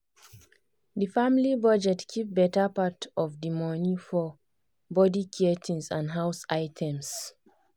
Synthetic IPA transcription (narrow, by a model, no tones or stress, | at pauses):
ðəfamlibʌd͡ʒɛtkʰip̚bɛtəpatʰɔvdimɔnifɔ | bɔdikʰietʰĩnsãnɦaʊsaɪtʰɛ̃ms